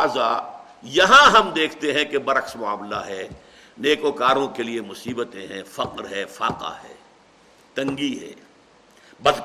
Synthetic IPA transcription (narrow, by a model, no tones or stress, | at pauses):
zaː | jɐɦãɦɐmd̪eːkʰt̪eɦɛ̃kebɐɾɐksmʊa̰ːmlaɦɛː | neːkoːkaːɾõkeliemʊsiːbət̪ẽɦɛ̃fɐqɾɦɛːfaːqa̰ɦɛ̰ː | t̪ɐ̃ŋɡiɦɛ̰ː | bɐd̪